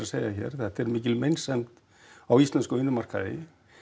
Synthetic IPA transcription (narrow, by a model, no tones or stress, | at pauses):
asejaçɛ̰ɾ̥θɛht̪ɛɾmɪːcɪlmejnsɛmt̪ | awist̪lɛnskʏʏnːʏmar̥ka̰ðɪ̰